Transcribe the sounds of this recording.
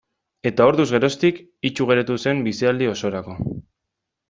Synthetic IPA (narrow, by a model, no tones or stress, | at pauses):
e̞t̪ao̞ɾðuzɣe̞ɾo̞st̪ik | it͡ʃuɣ̞e̞ɾet̪use̞mbisiald̪io̞so̞ɾako̞